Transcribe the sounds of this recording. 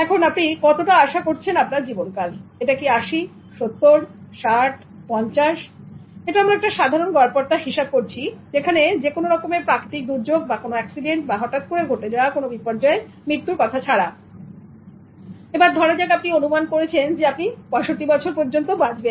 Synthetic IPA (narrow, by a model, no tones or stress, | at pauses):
ɛkʰonapnikɔt̪oʈaaʃakoɾt͡ɕʰenapnaɾd͡ʑibonkaleʈakiaʃi | ʃot̪ːoɾʃaʈ | pɔɲt͡ɕaʃ | eʈaamɾaɛk̚ʈaʃad̪ʱaɾonɡɔɾpoɾt̪aɦiʃab̚koɾt͡ɕʰid͡ʑekʰaned͡ʑekonoɾɔkomeɾpɾakɾit̪ik̚d̪uɾd͡ʑoɡ̚bakonoɛksiɖeɳʈ̚baɦɔʈat̪̚koɾeɡʱoʈed͡ʑaoakonobipɔɾd͡ʑae | mɾit̪ːuɾkɔt̪ʰat͡ɕʰaɽa | ebaɾd̪ʱɔɽed͡ʑaɡap̚nionumankoɾet͡ɕʰend͡ʑeapnibɔeʃoʈːibɔt͡ɕʰoɾpoɾd͡ʑont̪obad͡ʑben